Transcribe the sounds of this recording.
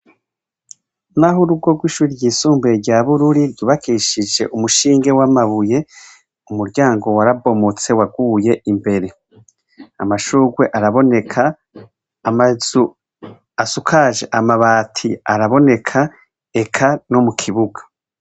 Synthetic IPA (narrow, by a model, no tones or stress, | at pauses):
naɦuɾub̚ɡo̞ɡwiːʃuːɾiɟiːsuːmbeɾɟaβuɾuɾiɾɟuβakʰiʃid͡ʒe̞̰ʔumuʃiːŋɡe̞wamaβuje̞ | umuɾɟaːŋɡo̞waɾabo̞mot͡se̞waɡuːje̞imbe̞ɾe̞ | a̰maʃuːɡwe̞ʔaɾaβo̞ne̞kʰaː | mazu | asukʰaʒe̞ʔamaβaːtʰiaɾaβo̞ne̞kʰa | e̞kʰano̞mukʰiβuɡḁ